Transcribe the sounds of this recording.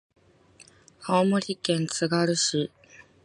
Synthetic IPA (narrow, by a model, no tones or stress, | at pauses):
haomoɾʲikẽ̞nt͡sɨɡaɾɯ̟ɕi